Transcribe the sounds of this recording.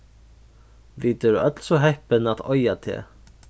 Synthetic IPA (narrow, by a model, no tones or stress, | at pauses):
vit̪ɛɾœt̪lsɔɦɛhpɪnat̪ɔjat̪ʰɛ̰